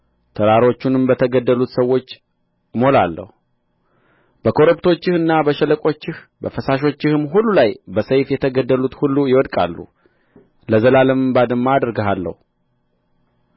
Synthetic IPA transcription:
t̪ʰəɾaɾo̞t͡ʃːunɨmbət̪ʰəɡəd̪ːəlut̪səwːo̞t͡ʃː | mo̞lalːə̰hu | b̥əkʰo̞ɾəpt̪ʰo̞t͡ʃːɪhɨnːabəʃələkʼo̞t͡ʃːɪh | bəfəsaʃ̬o̞t͡ʃːɪhɨmːɦulːulajbəsəjfjɛt̪ʰəɡəd̪ːəlut̪hulːujɪwɔd̪kʼa̰lːṵ | ləzəlaləmɨbad̪ɨmːaːd̪ɾɡəɦalːə̰hu

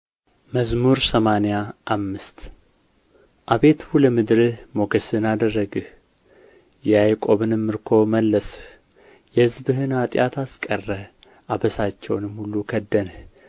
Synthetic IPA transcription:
məzmuɾsəmanejaʔːmːɨst̪ | ʔaβe̞t̪ʰhuləmɨd̪ɾɨhmo̞ɡəsɨnad̪ərːəɡɨ | jɛajkʼo̞βɨnɨmːɨɾkʰo̞məlːəs | jɛhɨzbɨɦɨnat̪ʼjat̪ʰaskʼərːə | ʔabəsat͡ʃːɛwnɨmhulːukʰəd̪ːən

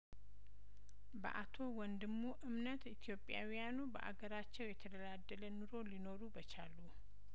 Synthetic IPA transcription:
bə̰ʔat̪ʰo̞wɔnd̪ɨmːuʔɨmnət̪it̪ʰijo̞pʼja̰wijanubə̰ʔa̰ɡəɾat͡ʃːɛwjɛt̪ʰəd̪əlad̪ːələnɨɾo̞lino̞ɾubət͡ʃalːu

